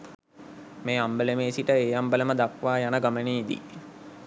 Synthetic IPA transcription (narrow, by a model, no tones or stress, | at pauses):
meːambəlemeːsiʈəeːjambələməd̪akʋaːjanəɡaməneːid̪ḭ